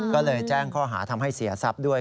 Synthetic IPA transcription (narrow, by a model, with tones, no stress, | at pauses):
kɔː˥˩lɤː˧jt͡ɕɛː˥˩ŋkʰɔː˥˩ɦa̰ː˩˦t̪ʰa˧mɦa˥˩jsi˨˩˦ɐsa˦˥p̚du˥˩əj